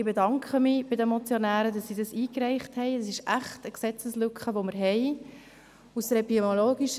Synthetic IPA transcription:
ɪbedɑŋkχəmib̥ɪdəmɔt͡sjonæːɾədɑsːiːdɑsiːkrɛɪχthɛjəs̬ɪʃʔæχtəksɛt͡səslʉkχəʋoməɾɦɛɪ | ustɛɾəbimoloːɡiʃ

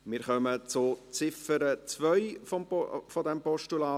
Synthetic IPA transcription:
mɪːɾχœmət͡sʊt͡sɪfəɾət͡svœʏfɔfɔdɛmpɔʃtulaː

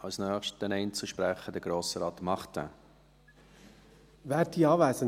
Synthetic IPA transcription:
ɑlsnœːχʃtənɛɪnt͡suʃpɾɛχədəɡ̥ɾoːsəɾɑːtmɑχtə̰ | vɛːɾdiːɑːvɛɪsən

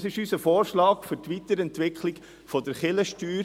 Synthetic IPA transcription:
sɪʃyːsəfoːɾʃlɑːkfʏɾtʋitəɾɛntʋɪkχlɪk | fɔdəɾχɪləʃtyːɾ

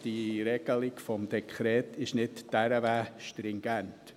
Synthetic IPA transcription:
d̥iɾɛɡ̥əlɪɡfɔmd̥̪ɛkʰχɾɛːtɪʃnɪtd̥æɾəvæːʃtɾɪŋɡɛnt

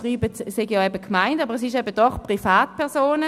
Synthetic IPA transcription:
ʁiːbətseɡjɔɛbəkʰmaɪntabəʁɛs̬ɪʃɛbəd̥ɔχpʁifaːtpʰɛʁsoːnə

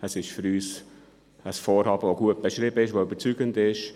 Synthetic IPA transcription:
əsɪʃfʏɾyːs | əsfɔːɾhɑːb̥əvoɡuət̚b̥ɛʃɾɪbəɪʃʋoyb̥əɾt͡syɡ̥əndɪʃ

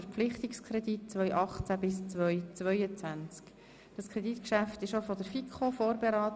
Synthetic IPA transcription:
əɾflɪχt̪ikskʰɾɛdit̚t͡sʋœjʔɑχt͡sæbɪst͡sʋœjt͡sʋœjət͡sʋænt͡sk | d̥ɑskʰɾɛditkʃæftɪʃofɔd̥əɾfikʰχofoːɾbeɾɑːt

